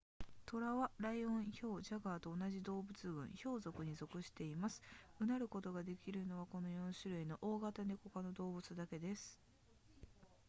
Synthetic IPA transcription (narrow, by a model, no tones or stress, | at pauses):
t̪o̞ɾaβaɾaiõ̞ɰ̃ço̞ːʑaɡaːt̪o̞ːnaʑid̪o̞ːbɯ̟t͡sɨɡɯ̟̰̃ɰ̃ço̞ːzo̞kɯ̟ɲ̟izo̞kɯ̟ɕi̥t̪e̞imasɨ̥ɯ̟naɾɯ̟ko̞t̪o̞ɡad̪e̞kʲiɾɯ̟no̞βako̞no̞jõ̞ɰ̃ɕɨɾɯ̟ino̞ʔoːɡat̪aneko̞kano̞d̪o̞ːbɯ̟t͡sɨd̪ake̞d̪e̞sɨ̥